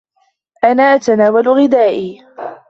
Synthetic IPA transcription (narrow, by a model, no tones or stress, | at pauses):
ʔanaːʔat̪anaːwalʊɣɪd̪aːʔiː